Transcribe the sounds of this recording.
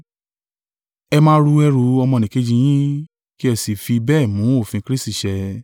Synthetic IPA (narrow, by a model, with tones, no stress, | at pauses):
ɛ˧mãː˦ɾu˧ɛ˧ɾu˨˦ɔ˧mɔ̃˧nĩ˨ke˨˦d͡ʒĩ˧j̃ĩ˦ | ki˦ɛ˧˨si˨fi˧bɛː˦˨mũ˨˦o˦˨fĩ˧kɾi˦sti˦˨ʃɛ˧